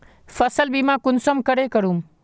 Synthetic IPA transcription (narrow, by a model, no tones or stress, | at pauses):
fɐsəlbiːmãːkʊnsəmkəɽeːkəɾũm